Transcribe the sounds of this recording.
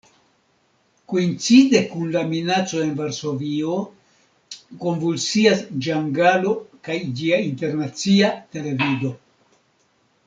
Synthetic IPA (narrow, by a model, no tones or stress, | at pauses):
koint͡side̞kunlaminat͡so̞e̞nvaɾso̞vio | ko̞nvulsiasd͡ʒaŋɡalo̞kajd͡ʒiainte̞ɾnat͡siate̞le̞vido̞